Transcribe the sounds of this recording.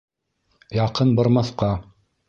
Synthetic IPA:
jɑqɤnbɤ̆ɾmɑθqɑ

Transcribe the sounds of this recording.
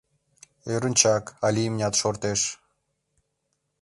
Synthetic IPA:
øɾə̆nʲt͡ɕɑkɑlʲimnʲɑt̪ʃort̪eʃ

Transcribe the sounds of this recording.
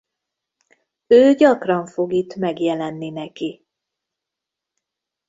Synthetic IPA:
øːɟɒkrɒɱfo̞ɡit̪mɛɡjɛlɛnːinɛki

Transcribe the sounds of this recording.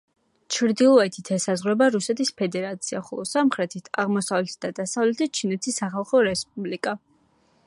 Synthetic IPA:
t͡ʃʰɾd̪ilˠɔɛt̪ʰit̪ʰɛsazʁwɛbaɾusɛt̪ʰispʰɛd̪ɛɾat̪sʰiaχɔ̰lˠɔsamχɾɛt̪ʰit̪ʰa̰ʁmɔsavlɛt̪̚ʰd̪ad̪asavlɛt̪ʰit͡ʃʰinɛt̪ʰisːaχalˠχɔɾɛspʼublikʼa

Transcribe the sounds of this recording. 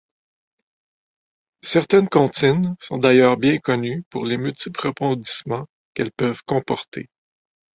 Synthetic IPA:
sɛʁt̪ɛnkɑ̃t̪ɪnsɔ̃d̪ajœːʁbjɛ̃kɔnypuʁlemylt̪ɪplʁəpɑ̃d̪i̥smɑ̃ | kɛlpœv̥kɔ̃pɔʁt̪ʰḛ

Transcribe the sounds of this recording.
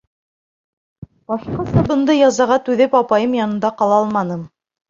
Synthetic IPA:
bɑʃqɑsɑbɤ̆nd̪ɤjɑzɑʁɑt̪ʉðɘpɑpɑjɤmjɑnɤ̆nd̪ɑqɑlˠɑɑlˠmɑnɤm

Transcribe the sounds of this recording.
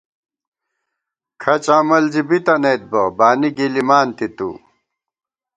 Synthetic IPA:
kʰɐt͡ɕaːmɐlzibit̪ɐneːt̪̚bɐbaːniɡilimaːnt̪it̪ṵ

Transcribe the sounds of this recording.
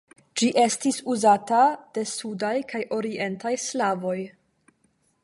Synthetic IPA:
d͡ʒiʔe̞stisuzatad̥e̞sudajkʰajʔo̞ɾie̞ntajslavo̞j

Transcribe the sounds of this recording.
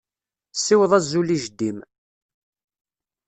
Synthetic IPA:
sːɪwðˤæzːuliʒəd̪ːim

